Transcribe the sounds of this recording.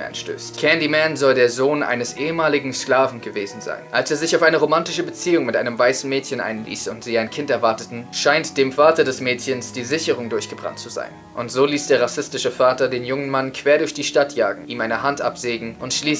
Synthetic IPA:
ɛ̰nʃtø̰ːstkʰɛndimɛnzɔldeːɐzoːnʔa̰ɪnəsʔeːəmaːlɪɡŋ̩sklaːvn̩ɡəveːzn̩za̰ɪnʔalseːɐzɪçaʊfaɪnəʁomantɪʃəbət͡siːʊŋmɪtʔaɪnəmvaɪsn̩mɛːtçənʔa̰ɪnlḭːsʊntz̥iːaɪnkʰɪntɛɐvaɐtətn̩ʃaɪntd̥eːmfaːtɐdɛsmɛːtçənsd̥iːzɪçəʁ̞ʊŋdʊɐçɡ̥əbʁa̰ntt͡suza̰ɪn | ʔʊntz̥oːliːsd̥eːɐʁasɪstɪʃəfaːtɐdeːnjʊŋənmankʰv̥eːɐɾʊɐçd̥iːʃtatʰja̰ːɡŋ̩ʔiːmaɪnəhantʔa̰pz̥eːɡŋ̩ʔʊntʃliː

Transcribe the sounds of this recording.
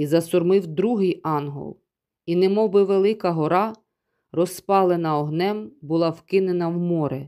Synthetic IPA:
izɐsʊrmɪwd̪ɾuɦɪjɑnɦɔ̰lˠ | inɪemɔbɪʋelˠɪkɐɦɔɾɑ | rɔspɑlˠenɐɔɦnɛmbʊlˠɑwkɪnenɐwmɔɾɛ

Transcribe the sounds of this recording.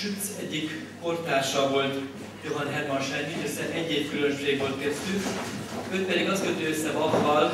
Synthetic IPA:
ʃyt̪sɛɟːikpo̞rt̪aːʃɒvo̞lt̪ | joɦɒnɦɛrmɒnʃɛnːiøsɛʔɛɟːeːfkylømʃeːɡʋo̞lt̪kɛst̪y | øːt̪̚pɛd̪iɡɒskøt̪øːøsːɛvɒfːɒl

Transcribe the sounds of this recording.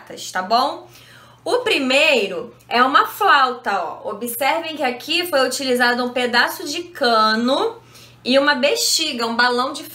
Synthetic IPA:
t̪ɐst̪abõw̃ | ʊpɾimejɾʊ | ɛũmɐflawt̪ɐɔ̰obisɛɾvẽj̃kɪakʰifojut͡ʃilizad̪ʊũped̪asʊd͡ʒɪkɐ̃nʊ | ɪũmɐbeʃt͡ʃiɡɐũbalɐ̃w̃d͡ʒɪf

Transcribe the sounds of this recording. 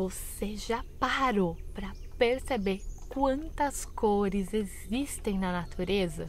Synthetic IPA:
voseʒapaɾopɾɐ | peɾsebeɾkwɐ̃nt̪ɐskoɾɪzezist̪ẽj̃nɐnat̪ʰuɾezɐ̰

